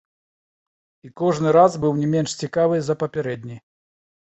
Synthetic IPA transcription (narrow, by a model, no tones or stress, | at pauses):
ikɔʐnɨɾazbɨwnʲɛmʲɛnʂt͡sʲikavɨzɐpɐpʲɛɾɛd̪ʲnʲij